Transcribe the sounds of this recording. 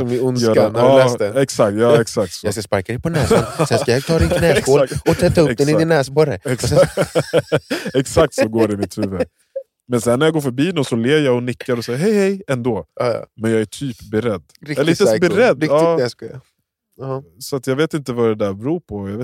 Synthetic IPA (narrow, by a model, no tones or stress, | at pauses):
sɔmɪʊnsjœːaɑɛɛksakt̪jɑːɛksak̚t̪sɔjaskaspaɾkaɾɛpʰɔnɛsansɛnkajat̪ʰɑːd̪ɪnɛkoːɔt̪ʰɛt̪ːɵɛnɪɪnɛːsbɔɾə̰ɛks | ɛksak̚t̪sɔɡoːɖɪmɪt̪hʉ̟ːvə | mɛnsɛnːæɾjɑːɡoːɾfœɾbiːnɔmsɔleːjaɡɔnɪkːaɾɔsɛjaɦɛjhɛjɛnd̪oːmɛnjɑːɡæʈʰyːpbɛɾɛd̪ːɾɪɪəbɛɾɛd̪ɑːskː | sɔat̪jɑːɡveːt̪ɪnt̪əvadɛd̪æɾbɛɾuːɾpʰɔjɑveː